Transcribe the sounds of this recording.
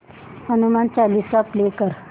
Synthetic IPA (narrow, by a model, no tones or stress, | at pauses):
hənumant͡ɕalisaplekəɾ